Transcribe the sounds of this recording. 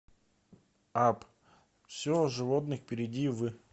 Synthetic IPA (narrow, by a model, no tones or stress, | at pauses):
ap | fsʲoʐɨvot̪nɨxpʲɪɾʲɪdʲivɨ